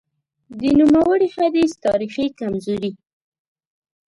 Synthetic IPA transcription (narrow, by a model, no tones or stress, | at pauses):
d̪ənumawəɽihad̪ist̪ɑɾixikamzoɾi